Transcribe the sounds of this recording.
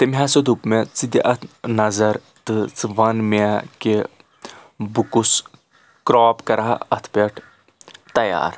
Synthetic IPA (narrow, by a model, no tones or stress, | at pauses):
t̪emʲɦaːsɐd̪upmet͡sid̪ʲiʔɐt̪ʰnɐzɐɾ | t̪ɨt͡sɨʋɐnmake | bukus | kɾaːpkɐɾaɦɐt̪ʰpʲeʈʰ | t̪ɐja̰ːɾ